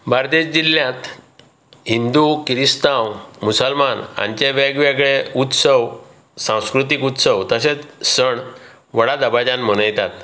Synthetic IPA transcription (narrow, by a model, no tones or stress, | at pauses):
baɾt̪ed͡ʑd͡ʑiljãt̪ | ɦind̪ukɾist̪ãwmusəlmanã̰ɲt͡ɕeʋaɡʋjaɡɭeut̪səw | sãw̃skɾut̪̬ikut̪səʋt̪əɕet͡ssəɳ | ʋəɽad̪əbad͡ʑãnm̤əɽ̃əjt̪at̪̚